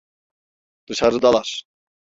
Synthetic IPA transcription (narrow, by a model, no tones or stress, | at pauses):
d̪̥ɯʃaɾɯd̪alˠaɾ